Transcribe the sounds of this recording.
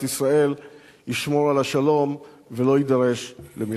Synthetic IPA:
tisʁae̞l | jiʃmo̞ʁalaʃalo̞m | velo̞jid̪aʁe̞ʃlemi

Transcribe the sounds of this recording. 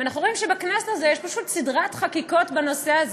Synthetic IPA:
anaχnuʁoimʃebaknasazejeʃpaʃut̪sidʁatχakiko̞tbano̞seaz

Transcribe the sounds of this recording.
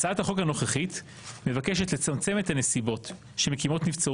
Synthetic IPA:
t͡saathaχo̞khano̞χeχit̪ | me̞vake̞ʃetle̞t͡samt͡se̞met̪hane̞sibo̞t̪ | ʃeme̞kimo̞tnift͡sa

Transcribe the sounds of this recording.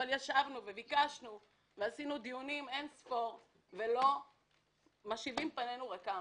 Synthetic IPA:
aljaʃavnuvevikaʃnu | veasinud̪ijunimensfoʁ | ve̞lo̞ | maʃivimpanenuʁaka

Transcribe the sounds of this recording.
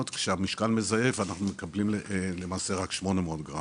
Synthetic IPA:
ot̪kʃeamiʃkalme̞zaje̞vanaχnumekablimle̞maːse̞ʁakʃmo̞nemeo̞d̪ɡʁa

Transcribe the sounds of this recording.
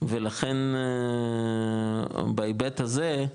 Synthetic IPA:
velaχen | baebet̪haze

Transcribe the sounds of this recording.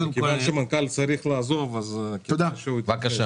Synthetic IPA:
nkeanʃemankalt͡saɾiχlaːzovazkod̪aʃeuit̪vakaʃa

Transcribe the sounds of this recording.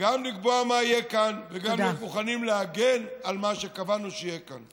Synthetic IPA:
ɡamliɡ̚boamaijekanveɡamlemuχanimleaɡe̞nalmaʃe̞kavanuʃeijeka̰n

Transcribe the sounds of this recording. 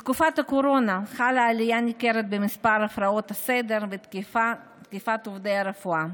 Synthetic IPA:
t̪kufat̪hakoɾo̞naχalaːlijanikeɾet̪̚bemispaɾafɾaot̪ased̪eɾvet̪fa | t̪kifat̪ovdejaɾefua

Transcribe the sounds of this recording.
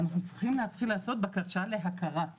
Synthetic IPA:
anaχnut͡sʁiχimlehat̪χilaːso̞t̪̚bekaʁʃale̞ɦakʰaʁa

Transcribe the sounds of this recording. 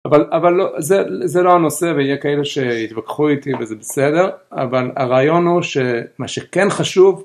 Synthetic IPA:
avalavalːozezeloano̞se̞veijekaeleʃeit̪vakχuit̪ivezebesede̞ʁa̰vala̰ʁaːjo̞nhuʃemaʃekenχaʃuv

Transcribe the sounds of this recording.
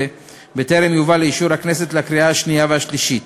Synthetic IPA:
e | beteɾemjuvaleiʃuɾhakne̞s̬e̞t̪leakɾiahaʃnijaveaʃliʃit̪

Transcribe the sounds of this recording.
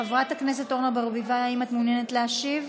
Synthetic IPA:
avʁathaknese̞t̪o̞ʁnabaʁbivaaimat̪munjenetleaʃiv

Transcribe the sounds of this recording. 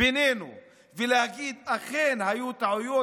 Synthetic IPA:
enenṵ | velehaɡid̪aχenhajut̪aʕujo

